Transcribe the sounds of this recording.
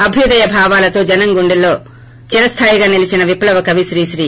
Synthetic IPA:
ɐbʱjud̪ɐjɐbʱaːʋaːlɐt̪oːd͡ʒɐnɐŋɡuɳɖilːo̞ː | t͡ʃiɾɐst̪ʰaːjiɡaːnilit͡ʃinɐʋiplɐʋɐkɐʋiʃɾiːʃɾiː

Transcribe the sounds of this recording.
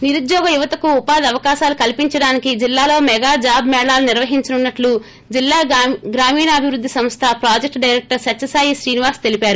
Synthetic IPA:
niɾud̪jɔːɡɐjuʋɐt̪ɐkuːpaːd̪ɐʋɐkaːʃaːlukɐlipiɲt͡ʃɐɽaːnikid͡ʒilːaːlo̞ːmɛɡaːd͡ʒaːbmɛːɽaːluniɾʋɐɦiɲt͡ʃɐnunːɐʈlu | d͡ʒilːaːɡɾaːmiːnɐːbʱiʋɾud̪ʱːisɐmst̪ʰɐpɾaːd͡ʒek̚ʈɖɐjɾek̚ʈɐɾsɐt͡ʃːɐsaːjiʃɾiːniʋaːɾst̪e̞lipaːɾu

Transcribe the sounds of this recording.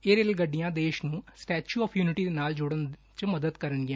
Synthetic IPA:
eːɾeːlɡəɖːɪjãːd̪eːʃnũːsʈɛːt͡ʃuːɔːpʰjuːnɪʈiːd̪eːnaːld͡ʒʊɽən | t͡ʃməd̪əd̪kəɾənɡɪjã

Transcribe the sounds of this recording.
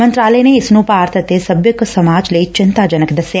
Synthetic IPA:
mə̃nt̪ɾaːləneːɪsnũːpaːɾt̪ət̪esəbjəksəmaːd͡ʒləiːt͡ʃɪnt̪aːd͡ʒənəkd̪əsjaː

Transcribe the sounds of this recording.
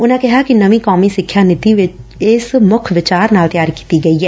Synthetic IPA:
ʊnãkɛɦakinəʋĩkaːmisɪkʰːjaːnɪt̪iʋɪt͡ʃɪsmʊkʰʋɪt͡ʃaːɾnaːlt̪jaːɾki̥ːt̪iɡɐiɦɛː

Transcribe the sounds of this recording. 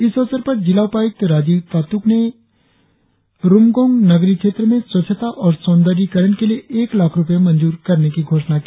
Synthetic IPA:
ɪsɐʋsəɾpɐɾd͡ʒɪlaʊpaːɪk̚t̪ɾaːd͡ʒip̪aːt̪ukne | ɾʊmɡõːŋɡnɐɡɾikʃeːt̪ɾəmẽswɐtːʃʰət̪aʔɔːɾsɔ̃ːnd̪əɾikɐɾənkelieʔeːklaːkʰɾʊpəjemɐ̃nd͡ʒuːɾkɐɾnekiɡʱoːʃnakiː

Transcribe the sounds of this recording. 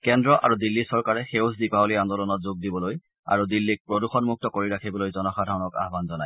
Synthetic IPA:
kɛndɹɔʔa̰ɹudilːisɔɹkaɹɛxewsdipaoliandɔlɔnɔtzoɡ̚dibɔloj | a̰ɹudilːik̚pɹoduxɔnmuk̚tɔkoɹiɹakʰibɔlojzɔnɔxadʱaɹɔnɔka̰ɦbanzɔnaj

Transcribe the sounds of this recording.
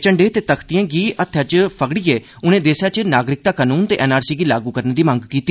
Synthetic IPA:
t͡ʃəɳɖeːt̪eːt̪əkʰt̪ɪjãːɡiːət̪ʰːjaːt͡ʃpʰəɡɽiːeː | ʊnẽːd̪eːsaːt͡ʃnaːɡɾɪk̚t̪aːkaːnuːnt̪eːʔɛːnaːɾsiːɡiːlaːɡuːkəɾneːd̪iːmə̃ŋɡkiːt̪iː

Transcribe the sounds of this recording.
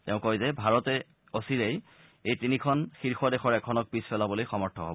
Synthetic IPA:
tɛʊ̃kojzɛbʱaɹɔtɛ | osiɹej | ejtinikʰɔnxiɹxɔdɛxɔɹɛkʰɔnɔk̚pispʰɛlabolojxɔmɔɹtʰɔɦo̰bɔ

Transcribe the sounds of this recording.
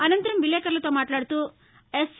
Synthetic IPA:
ɐnɐnt̪ɐɾɐmʋiljeːkɐɾɐlɐt̪oːmaːʈlaːɽt̪uː | es

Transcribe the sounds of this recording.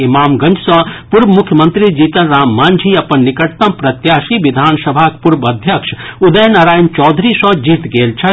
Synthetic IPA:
imaːmɡɐ̃nd͡ʒʰsɐ̃puɾbmʊkʰjəmə̃nt̪ɾid͡ʒiːt̪ɐnɾaːmːaːnd͡ʒʱiɐpənːɪkəʈ̚t̪ɐ̃mpɾɐt̪jaːʃiʋɪd̪ʱaːnsəbʱaːkpuɾbɐd̪ʱjəkʃud̪əjənaɾaːjnt͡ʃɔːd̪ʱɾisɔ̃d͡ʒiːt̪ɡeːlt͡ʃʰɐ

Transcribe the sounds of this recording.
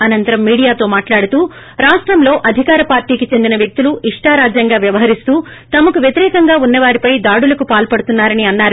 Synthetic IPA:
ɐnɐnt̪ɐɾɐmːiːɽijaːt̪o̞ːmaːʈlaːɽut̪uː | ɾaːʂʈɾɐmlo̞ːʔɐd̪ʱikaːɾɐpaːɾʈiːkit͡ʃe̞nd̪inɐʋjɐk̚t̪uluʔiʂʈaːɾaːd͡ʒjɐŋɡaːʋjɐʋɐɦɐɾist̪uː | t̪ɐmɐkuʋjɐt̪iɾɛːkɐŋɡaːunːɐʋaːɾipɐjd̪aːɽulɐkupaːlpɐɽut̪unːaːɾɐniɐnːaːɾu

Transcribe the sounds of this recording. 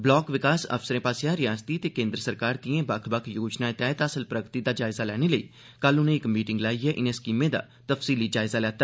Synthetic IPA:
blɔːkʋɪkaːsə̰fsəɾẽːpaːsjãːɾɪjaːst̪iːt̪eːkẽːnd̪ɾəsəɾkaːɾd̪iẽːbəkʰbəkʰjoːd͡ʒnaːɪt̪ɛːt̪əːsəlpɾəɡt̪iːd̪aːd͡ʒaːɪzaːlɛːneːləḭː | kəlʊnẽːɪkəmiːʈɪŋɡlaːiːɛːʔɪnẽːskiːmẽːd̪a̰ː | t̪əfsiːliːd͡ʒaːɪzaːlɛːt̪aː

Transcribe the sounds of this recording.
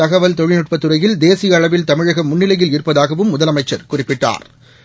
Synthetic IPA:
ɐɣɐʋɐlt̪ɔɻɪnɪʈ̚pɐt̪ːɯɾɐjɪld̪eːsɪjɐːɭɐʋɪlt̪ɐmɪɻɐɣɐmʊnːɪlɐjɪlɪɾɯpːɐðaːɣɐʋɯmːʊðɐlɐmɐɪt͡ʃːɐɾkʊrɪpːɪʈːa̰ːɾ

